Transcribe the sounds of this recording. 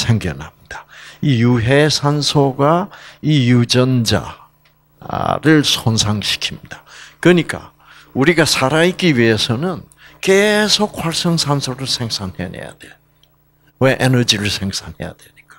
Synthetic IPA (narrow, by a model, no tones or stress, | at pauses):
sʰeŋɡjʌ̰nɦamɲid̥ḁijuɦesʰansʰoɡaijud͡ʑʌnd͡ʑa̰ | ɾɯɭsʰonsʰaŋɕʰi̥kʰimɲid̥akɯɲik͈a̰ | uɾiɡasʰaɾaik͈iwɥie̞sʰʌnɯn | kesʰokhwaɭs͈ʌŋsʰansʰoɾɯɭsʰe̞ŋsʰanhe̞e̞̰ja̰dwe | weʔenʌd͡ʑiɾɯɭsʰeŋsʰanhe̞ja̰dwe̞ɲik͈ḁ